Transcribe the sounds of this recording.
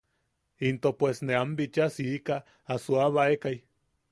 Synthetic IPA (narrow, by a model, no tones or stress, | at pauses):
int̪opwesneambit͡ʃasiikaː | suaβaekaj